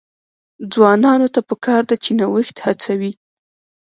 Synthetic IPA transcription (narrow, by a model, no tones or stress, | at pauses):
d͡zwɑnɑnot̪apəkɑɾd̪at͡ʃenawəxt̪hat͡sawi